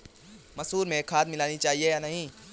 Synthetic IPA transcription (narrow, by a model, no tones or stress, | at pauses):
mɐsuːɾmẽkʰaːd̪mɪlaːnit͡ʃaːɦiejanɐɦĩː